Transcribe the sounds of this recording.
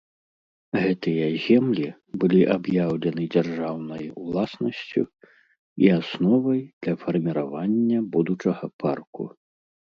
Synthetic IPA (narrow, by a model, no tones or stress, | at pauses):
ɣɛt̪ɨjɐzʲɛmlʲi | bɨlʲiʔabjawlʲɛnɨd͡zʲarʐawnɐjwlˠasnɐsʲt͡sʲṵ | ḭasnɔvɐjd̪̥lʲɐfɐrmʲiɾavanʲːɐbud̪ut͡ʂɐɣɐpʰarkṵ